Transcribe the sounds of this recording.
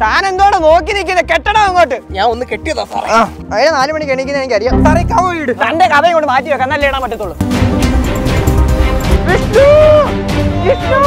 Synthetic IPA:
t̪aːne̞nd̪uoːɳɨno̞ːk̬ːinikʲːunːɐkeʈːɐɽaʋɐŋːoːʈːɨɲaːno̞nːɨkeʈːijɐðoːsɐ̰rɐ̰aː | ɐðinenaːlɨmɐɳːikʲːeɳːik̬ʲːunɐenekːɐrijɐsɐrijkːaʋoːjiɽɨt̪ɐndekɐbɐjɐŋɡoɳɖɨmaːt̬ːijoːkːenːalːeːɽaːmɐt̬ːɐt̪ːuɭːu | ʋisu | ʋisu

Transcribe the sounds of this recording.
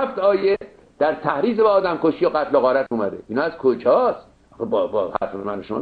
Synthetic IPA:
æft̪ɒːje | d̪̥æɾt̪ʰæhɾiːzebɛːd̪æmkoʃijoɣæt̪loɣɒːɾæt̪uːmæd̪ḛiːnɒːæz̥kʰod͡ʒɒːst̪ | ɒxebbɒhæ̰ɾfemænʃo̰

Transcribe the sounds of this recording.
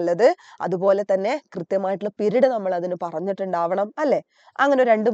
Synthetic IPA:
lːɐðɨɐ̰ðubo̞ːle̞t̪ɐnːe̞krɨt̪jɐmaːjiʈ̬ːuɭːɐpiɾiɽɨnɐmːɐɭɐðinɨpɐrɐɲːiʈːuɳɖaːʋɐɳɐmɐlːe̞ | ɐŋːɐneɾe̞ɳɖɨ

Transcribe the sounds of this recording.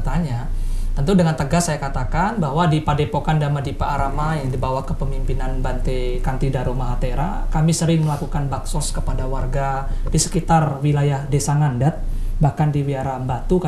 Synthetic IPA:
t̪aɲat̪ənt̪udəŋant̪əɡasajakat̪akanbaɦwadipadepokandamadipaaɾamajaŋdibawahkəpəmimpinanbant̪ekant̪idaɾomaɦat̪eɾa̰kamisəɾɪŋməlakukanbaksɔskəpadawarɡadisə̥kit̪arwilajahdesaŋandat̪̚bahkandiwiaɾabat̪uka

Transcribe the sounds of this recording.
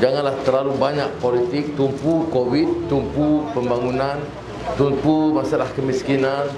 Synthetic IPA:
d͡ʒaŋãnlaht̪əɾlalubaɲak̚polit̪ɪk̚t̪umpukowit̪̚ːumpupəmbaŋunãn | t̪umpumasalahkəmiskinan

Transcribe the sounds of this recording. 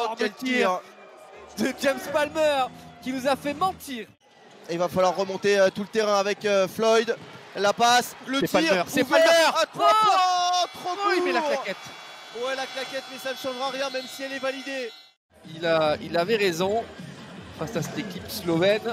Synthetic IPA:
ɔ̃ʁd̪ɛlt̪iʁ | d̪əd͡ʒɛmspalmœʁkʲinuzafɛmɑ̃t̪iːʁ | ilvafalwaʁːəmɔ̃t̪eøt̪ulət̪eʁɛ̃avɛkøflɔjd̪lapasləɛt̪aiʁmœʁsɛpalmœʁat̪χwawɛ̃t̪χoimɛlaklaɛt̪ | wɛlaklakʲɛt̪mɛsanəʃɑ̃ʒʁaʁjɛ̃mɛmsiɛlɛvalid̪e | ilailavɛʁezɔ̃ | fasasɛt̪ekʲipslɔvɛn

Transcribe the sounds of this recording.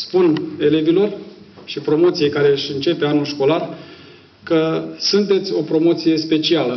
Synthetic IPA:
spune̞le̞vilo̞r | ʃipɾo̞mo̞t̪sijejkaɾe̞ɨʃʲɨnt͡ʃe̞pe̞anulʃko̞lar | kəsunt̪e̞t̪sʲo̞pɾo̞mo̞t̪sije̞spe̞t͡ʃialə

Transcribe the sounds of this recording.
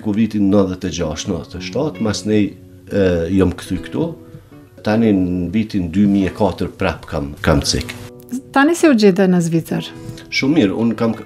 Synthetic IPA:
kuvit̪inːəðɛt̪ɛd͡ʑaʃt̪nəðɛt̪ɛʃt̪at̪masnɛj | jɔmkθykt̪u | t̪aninvit̪ind̪ymiɛkat̪əɾpɾɛpkamkamt͡sḭk | t̪anisɛud͡ʒɛd̪anazvit͡saɾʃumːiɾṵnkam

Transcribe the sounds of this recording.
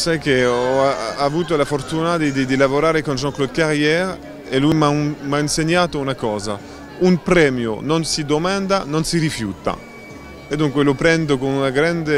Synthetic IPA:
sajkeɔaavut̪olafoɾt̪unad̪id̪id̪ilavoɾaːɾekonʒɔ̃ŋklod̪̚kaɾjɛɾ | eluimamainseɲat̪ounakɔːza̰ | umpɾɛmjo̰nɔnsid̪omand̪anɔ̃nsiɾifjut̪a̰ | ed̪uŋkwelopɾɛnd̪okonunaɡɾand̪e

